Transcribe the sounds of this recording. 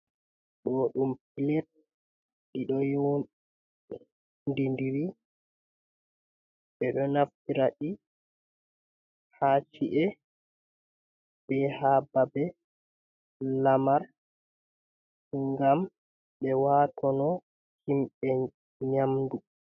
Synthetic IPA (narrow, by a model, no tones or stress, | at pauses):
ɗɔɗumpilɛt̚ | ɗiɗɔjo | ndindiɾi | ɓɛɗɔnaftiɾaɗi | hat͡ʃiʔɛ | bɛhaːbabɛ | lamaɾ | huŋɡam | ɓɛwaːtʰɔnɔ | himɓɛ | ɲamdu